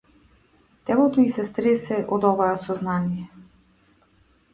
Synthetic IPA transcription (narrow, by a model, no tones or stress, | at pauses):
t̪ɛlˠɔt̪ɔisɛst̪ɾɛsɛʔɔd̪ɔvaɛsɔznanijɛ